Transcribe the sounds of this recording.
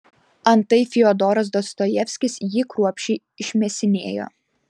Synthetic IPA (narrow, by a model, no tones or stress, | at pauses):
ɐnt̪ɐɪfʲɪɔd̪ɔːɾɐs̬d̪ɔst̪ɔjɛfʲsʲkʲɪsjiːkɾuɔpʲʃʲɛɪ | ɪʃʲmʲɛsʲɪnʲeːjo̰ː